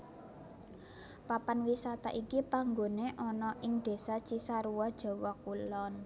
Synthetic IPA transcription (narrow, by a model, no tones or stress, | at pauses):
papanwisat̪a̰ʔikipaŋɡoneʔɔnɔʔɪŋd̪̥e̤sḁt͡ʃisaɾuwɔd̥ʒ̥ɔ̤wɔkulɔn